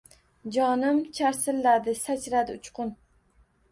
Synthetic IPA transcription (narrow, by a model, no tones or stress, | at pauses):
d͡ʒɒnɪmt͡ʃʰaɾsɪlːad̪ɪsat͡ʃɾad̪ɪʊt͡ʃqʊn